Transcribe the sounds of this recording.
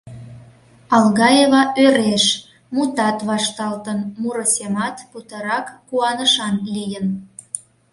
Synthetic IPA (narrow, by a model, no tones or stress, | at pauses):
ɑlɣɑjeβɑʔøɾeʃ | mut̪ɑt̪βɑʃt̪ɑlt̪ənmuɾəsemɑt̪put̪əɾɑkːuɑnəʃɑnlijən